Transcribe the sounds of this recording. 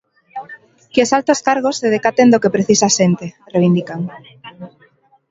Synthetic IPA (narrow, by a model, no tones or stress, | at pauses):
kosalt̪oskaɾɣ̞osːeðekat̪end̪okepɾeθisaʃent̪e | reβ̞ind̪ikaŋ